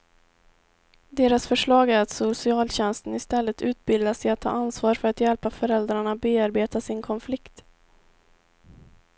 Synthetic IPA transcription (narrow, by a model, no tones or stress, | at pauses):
d̪eːɾasfœʂɭɑːɡæɾat̪sʊsɪɑːlɕɛnst̪ənɪst̪ɛlːət̪ʉ̟ːt̪̚bɪld̪asɛjat̪ʰːɑ̰ːʔansvɑːɾfœɾat̪jɛlpafœɾɛld̪ɾaɳabeːaɾbeːt̪asɪnkʰɔnflɪkt̪